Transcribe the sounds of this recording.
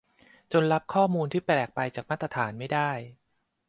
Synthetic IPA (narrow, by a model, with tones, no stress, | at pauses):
t͡ɕo˧nɾa˦˥p̚kʰɔː˥˩muː˧nt̪ʰiː˥˩plɛː˨˩k̚pa˧jt͡ɕaː˨˩k̚ma˥˩t̪ɾa˧t̪ʰaː˩˦nma˥˩jdaː˥˩j